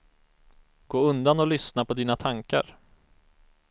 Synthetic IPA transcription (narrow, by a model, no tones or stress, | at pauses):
ɡ̥oːɵnd̪anɔlʏsnapʰɔd̪iːnat̪ʰaŋka̰ɾ